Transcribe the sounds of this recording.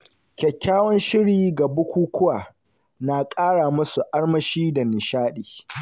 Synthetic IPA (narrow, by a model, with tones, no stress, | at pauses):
kʲɛ˨kʲːaː˦wɔ˦nʃɪ˦ɽiː˨ɡa˨bʊ˦kʷuː˦kʷʊ˦waː˨ | na˨kʼaː˦ɽaː˨mʊ˦su˨ʔa˦ɽmɐ˨ʃiː˦da˨nɪ˨ʃaː˦ɗiː˨